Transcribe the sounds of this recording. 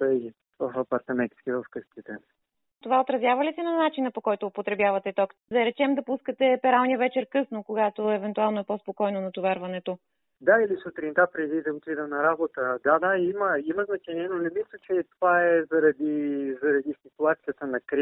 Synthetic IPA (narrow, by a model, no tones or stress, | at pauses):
bɐʒi | vəfɐpɐɾt̪ɐmɛt̪skʲivəfkɤsk̪it̪ɛ | t̪ovaot̪ɾɐzʲjavɐlisɛnɐnat͡ʃinəpokɔjt̪ʊːpot̪ɾɛbjavɐt̪ɛt̪ɔkd̪ɐɾɛt͡ʃɛmd̪ɐpuskət̪ɛpɛɾalˠniəvɛt͡ʃɛɾkɤsnokoɡat̪oɛvɛnt̪ualˠnoɛpɔspokɔjnonɐt̪ʊvɛɾvɐnɛt̪o | d̪ailisut̪ɾint̪apɾɛd̪id̪ɐot̪id̪ənɐɾabot̪əd̪ad̪aiməimɐznɐt͡ʃɛniɛnonɛmislʲət͡ʃɛt̪ovaɛzɐɾɐd̪izɐɾɐd̪isikuat̪siət̪ənɐkɾ